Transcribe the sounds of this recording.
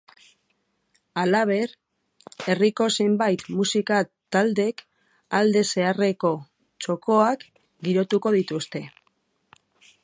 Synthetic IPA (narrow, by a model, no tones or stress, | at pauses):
alaβ̞e̞ɾ | e̞riko̞sembajt̪musikat̪ald̪e̞k | ald̪e̞se̞are̞ko̞ | t͡ʃo̞ko̞ak | ɡiɾo̞t̪uko̞ðit̪ust̪e̞